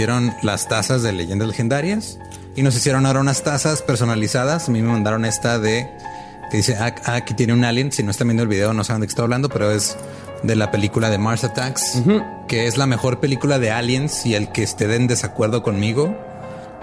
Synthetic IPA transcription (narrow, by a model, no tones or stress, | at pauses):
jeɾo̞nlast̪asazðe̞le̞̰ʝe̞nd̪ale̞xe̞nd̪aɾjas | ino̞s̬isjeɾo̞nao̞ɾaunast̪asaspe̞ɾso̞nalisaðasamime̞mãnd̪aɾo̞ne̞st̪aðe̞ | keðise̞aakit̪je̞neunaljensino̞est̪amjenoβiðe̞o̞nosaβnd̪kest̪aβaβland̪o̞pe̞ɾo̞e̞z | ðe̞lape̞likulað̞e̞maɾsat̪aks | ke̞e̞zlame̞xo̞ɾpe̞likulaðe̞aljensielke̞ːst̪e̞ðend̪e̞sakwe̞ɾðo̞ko̞nmiɣo̞